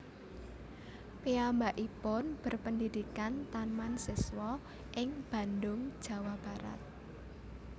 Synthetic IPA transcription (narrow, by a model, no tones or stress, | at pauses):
piambaʔipɔnb̥ə̤rpəndid̪̥ikant̪anmansɪswɔ | ʔɪŋb̥ä̤nd̪ʊŋ̥ʒ̥a̤wab̥a̤ɾa̰t̪̚